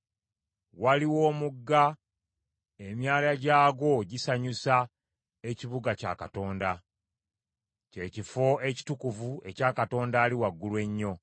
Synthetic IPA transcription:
waliwo̞ːmuɡːa | e̞mjaːlaɟaːɡo̞ɟisaɲusa | e̞ciβuɡaca̰kato̞ːnda | ce̞ːcifo̞e̞ci̥tukuvue̞cakato̞ːndaːliwaɡːulwe̞ɲːo̞

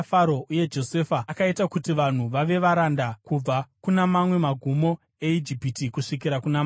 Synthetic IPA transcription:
faɾo̞ʔuje̞d͡ʒo̞se̞fakaitakutiʋan̤uʋaʋe̞ʋaɾandakub͡vakunamamwe̞maɡʱumo̞ | e̞id͡ʒipitikuʂik̬iɾakunam

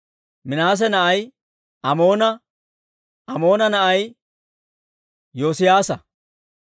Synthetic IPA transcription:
mɪnaːs̬ɛnɐʔɐj | ɐmo̞ːnɐ | ɐmo̞ːnɐnɐʔɐj | jo̞ːsɪjaːsɐ

